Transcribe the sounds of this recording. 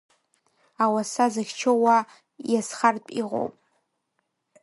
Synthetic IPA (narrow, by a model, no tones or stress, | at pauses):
awasazaxʲt͡ʃʰowa | jasχarpʼḭʁo̰wpʼ